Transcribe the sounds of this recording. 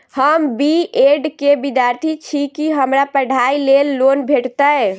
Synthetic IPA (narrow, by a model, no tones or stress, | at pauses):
həmbieɖkebid̪jaɾt̪ʰit͡ʃʰikiɦəmɾapəɽ̤ʱailelːonbʱeʈt̪ə